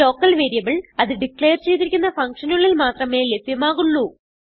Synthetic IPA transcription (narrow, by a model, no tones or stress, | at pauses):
o̞ːkːɐlʋeːɾijɐʋiɭɐðɨɖikɭejɐrt͡ɕejt̪ːiɾikʲːunːɐfɐŋkʂɐnuɭːilmaːt̪rɐme̞ːlebʱjɐmaːɣuɭːu